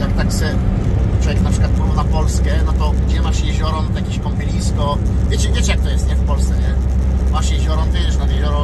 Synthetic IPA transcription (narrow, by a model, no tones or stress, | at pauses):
jakt̪aksɛt͡ʃwɔvjɛknapʂɪklat̪̚pɾuvnapɔlskɛnat̪ɔud͡ʑɛmaʂjɛʒɔɾɔmt̪jakiʃkɔmpʲilʲiskɔpvʲjɛt͡ɕɛvʲɛt͡ʃɛjakt̪ɔjɛst̪ɲɛfpɔlst̪sɛɲɛmaʂjɛʒɔɾɔnt̪jɛd͡ʒɛʃnajɛʒɔɾɔ